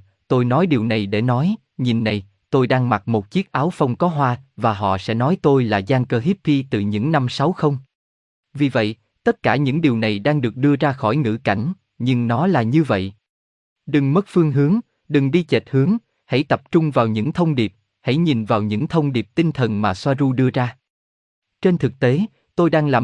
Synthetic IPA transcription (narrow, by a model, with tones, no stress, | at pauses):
t̪o˧jnɔ˨˦jɗi˨˩əwna˨˩jɗḛ˧˩nɔ˨˦j | ɲi˨˩nːa˨˩j | t̪o˧jɗaː˧ŋma˨˩t̚mo˨˩t̚t͡ɕi˦˥ək̚ʔaː˨˦wfə˧wŋ͡mkɔ˨˦ɦwaː˧vaː˨˩ɦɔ̰˧˨sɛ̰˧˥nɔ˨˦jt̪o˧jlaː˨˩zaː˧ŋkəː˧ɦi˦˥p̚pi˧t̪ɨ˨˩ɲɨ̰˧˥ŋna˧msa˨˦wxə˧wŋ͡m | vi˨˩və̰˧˨j | t̪ə˦˥t̚kaː˧˩ɲɨ̰˧˥ŋɗi˨˩əwna˨˩jɗaː˧ŋɗɨ˨˩ək̚ɗɨ˧əzaː˧xɔ˧˩jŋɨ̰˧˩ka˧˩jŋ̟ | ɲɨ˧ŋnɔ˨˦laː˨˩ɲɨ˧və̰˧˨j | ɗɨ˨˩ŋmə˦˥t̚fɨ˧əŋɦɨ˨˦əŋ | ɗɨ˨˩ŋɗi˧t͡ɕe˨˩t̚hɨ˨˦əŋ | ha̰˧˥˩jt̪ə˨˩p̚t͡ɕʊ˧ŋ͡mvaː˨˩wɲɨ̰˧˥ŋt̪ʰə˧wŋ͡mɗi˨˩əp̚ | ha̰˧˥˩jɲi˨˩nvaː˨˩wɲɨ̰˧˥ŋt̪ʰə˧wŋ͡mɗi˨˩p̚t̪i˧ŋt̪ʰə˨˩nmaː˨˩swaː˧zu˧ɗɨ˧əzaː˧ | t͡ɕe˧nt̪ʰɨ˨˩k̚t̪e˨˦ | t̪o˧jɗaː˧ŋlaː˨˩